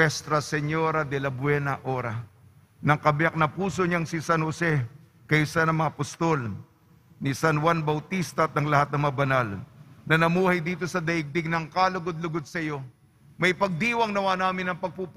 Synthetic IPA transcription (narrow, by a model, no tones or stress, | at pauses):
ɛst̪ɾɐsɛɲo̞ɾɐd̪ɛlɐbwɛnɐʔo̞ɾɐ | nɐŋkɐbjak̚nɐpuːso̞ɲaŋsisanhosɛ | kɐjsanɐŋmɐŋapʊst̪o̞l | nisɐnwanbɐwt̪ist̪ɐt̪̚nɐŋlɐhat̪nɐŋmɐŋabɐnalnɐnɐmuːhɐjd̪iːt̪o̞sɐd̪ɐʔɪɡ̚d̪ɪɡnɐŋkaːlʊɡod̪̚lʊɡod̪̚sɐjo̞ | mɐjpɐɡ̚d̪iːwɐŋnɐwaːnaːmɪnɐŋpɐɡ̚pup